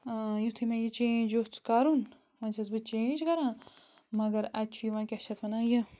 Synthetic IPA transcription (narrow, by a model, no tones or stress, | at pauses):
jut̪ʰimẽjit͡ʃẽd͡ʒot͡skaːɾun | mãːt͡ʃʰɐzbɨt͡ʃẽt͡ʃʰɡɐɾãː | mɐɡɐɾɐt͡ʃʰujiʋãːkʲiʃʰɐt̪ʰʋɐnãːjɐ